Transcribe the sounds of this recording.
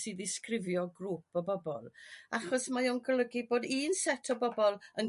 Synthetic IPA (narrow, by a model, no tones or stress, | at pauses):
sɨːðɪskrɪvjɔɡruːpɔbɔbɔlˠaχɔsmajɔnɡlˠəɡiboːdiːnsɛtʰɔbɔbɔlˠən